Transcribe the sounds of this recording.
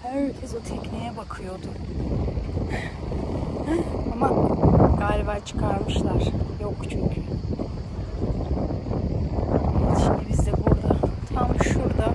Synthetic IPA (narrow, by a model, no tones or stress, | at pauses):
hæɾcʰɛzut̪ʰɛcnijɛbakʰɯjo̞d̪ʊ | amaɡaːlʲibat͡ʃʰɯ̥kʰaɾmɯʃlˠaɾ̥jo̞kt͡ʃʰyɲcʰy | biniʃind̪ibizd̪ɛbuɾd̪at̪ʰamʃuɾd̪a